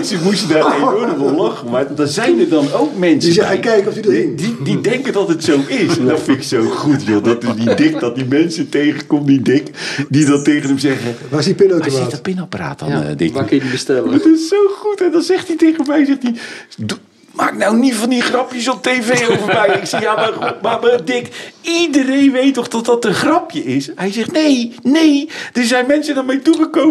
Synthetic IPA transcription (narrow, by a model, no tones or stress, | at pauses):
nsəmusədaːrejodəvəlɔχəʋatdɔzɛjnərdɑnowkmɛnsəzɛkɛjkɔfdididɛŋkədɔtətsowʔɪsɛndɔtfɪntɪksowχutjodɔtɪsdidɪk̚dɔt̚dimɛnsətejχəkɔmdidɪkdidɑntejχənəmzɛɣəasipɪnowtaɪtpɪnapəra̰ːtɔ̰ndɪ̰ʋaːkəjədibəstɛlətɪssowχutɛndɔnzɛχtitejχənmɛjzɛχtidu | maːknawnivɑndiχrɑpjəsɔp̚tejvejowvərmɛjɪksijamaumamadɪkidərejnʋejtɔχdɔtdɑtənχrɑpjəɪshɛjzɛχtnejnejd̥əɹzɛjnmɛnsədaːɹmejtuχəkow